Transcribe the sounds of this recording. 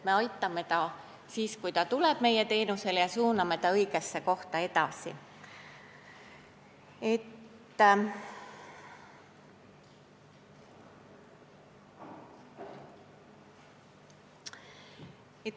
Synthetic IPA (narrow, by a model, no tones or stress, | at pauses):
me̞ɑjt̪ːˑɑme̞t̪ɑ | siːskujt̪ɑt̪ulɛb̥me̞je̞t̪e̞ːnuse̞ljɑsuːnɑme̞t̪ɑɤjɡ̥e̞sːe̞ko̞ht̪ɑe̞t̪ɑ̰sḭ | e̞t̪ː | e